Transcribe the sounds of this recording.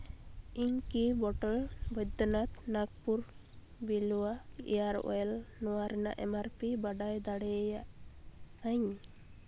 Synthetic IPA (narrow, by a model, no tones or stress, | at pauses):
iɲkibɔʈɔɭbɔjd̪ɔnat̪naɡ̚puɾ | biluwaḭjaɾɔ̰ɛlnɔwaɾɛna̰ʔɛmaɾpibaɖajd̪aɽɛjaʔ | aɲ